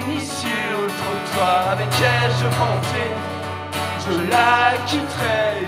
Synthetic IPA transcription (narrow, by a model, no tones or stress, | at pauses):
nis | ilot̪χət̪waavɛkɛʒəmɑ̃t̪ɛ | ʒəlakʲit̪χɛ